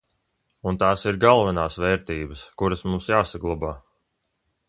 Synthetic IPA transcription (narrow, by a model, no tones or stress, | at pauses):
unt̪aːsiɾɡalˠvɛnaːsvɛːɾt̪iːbəskuɾasmumsjaːsaɡlˠabaː